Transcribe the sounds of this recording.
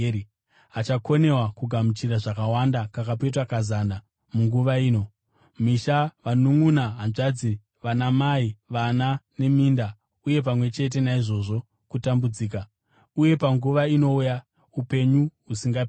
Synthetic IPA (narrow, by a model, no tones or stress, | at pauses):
at͡ʃako̞ne̞wakuɡʱamut͡ʃiraʐakawandakakap̬et̬wakazana | muŋɡuʋaiːno̞ | miʃaʋanuŋunaɦanʐad͡zi | ʋanamaiʋanane̞miːnda | uje̞p̬amwe̞t͡ʃe̞t̬e̞naiʐo̞ʐo̞ | kutambud͡ziːka | uje̞paŋɡuʋaino̞uja | upe̞ɲuɦusiŋɡap